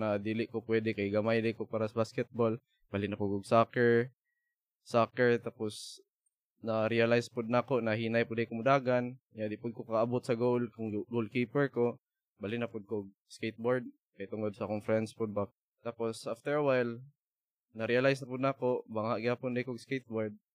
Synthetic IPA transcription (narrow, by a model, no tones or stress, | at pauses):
nad̪ilɪʔkopwɛd̪ɛkajɡamajd̪ɪjkopaːɾasabaskɛt̪̚bol | b̥alɪnapʊɡoɡsakɛɹ | sakɛɹt̪aːpʊs | naɾialajspʊd̪̚nakoʔnaɦiːnajpʊd̪ajkomʊd̪aːɡanɲad̪ɪpʊd̪̚kokaaabʊt̪sɐɡowlkʊŋɡol̚kiːpɛɹko | balɪnɐpʊd̪̚koɡ̚ | skejt̪̚boɹd̪̚ | kajt̪ʊŋod̪̚sɐkonfɾɛnd̪spʊd̪̚bak̚ | t̪aposʔaft̪ɛɹawajl | nɐɾialajsnɐpʊd̪nakobaŋhaʔɡɪhaːpʊnd̪ajkoɡskejt̪̚boɹd̪̚